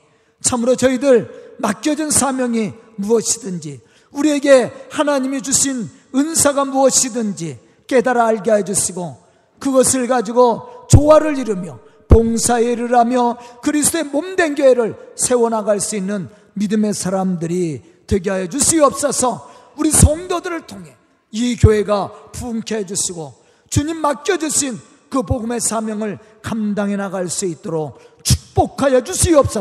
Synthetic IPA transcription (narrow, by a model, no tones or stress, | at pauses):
t͡ɕʰamuɾot͡ɕʌidɯɭmak͈̚jʌd͡ʑɯnsʰamjʌŋimuʌɕʰi̥dɯnd͡ʑi | uɾie̞ɡe̞hanaɲimid͡ʑuɕʰin | ɯnsʰaɡamuʌɕʰidɯnd͡ʑi | k͈e̞daɾaːɭɡeɦajʌd͡ʑuɕʰiɡo | kɯɡʌsʰɯɭɡad͡ʑiɡot͡ɕowaɾɯɭiɾɯmjʌ | poŋsʰaeɾɯɾamjʌkɯɾisʰtoe̞momdenɡjoeɾɯɭsʰe̞wʌnɦaɡaɭs͈uinːɯn | midɯme̞sʰaɾamdɯɾi | twe̞ɡeɦajʌd͡ʑuɕʰiʌp̚s͈ʌsʰʌ | uɾisʰʌŋdodɯɾɯɭtʰoŋɦe̞ | ikjoɦe̞ɡapuŋkʰeed͡ʑuɕʰiɡo | t͡ɕuɲimːak̚k͈jʌd͡ʑuɕʰin | kɯpoɡɯme̞sʰamjʌŋɯɭ | kamdaŋenaɡaɭs͈uit͈̚oɾok̚t͡ɕʰu̥k̚p͈okʰajʌd͡ʑuɕʰiʌp̚s͈ʌ